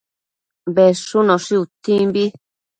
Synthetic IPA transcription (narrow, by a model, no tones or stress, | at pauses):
bɛʂunɔ̃ʂiut̪ĩmbi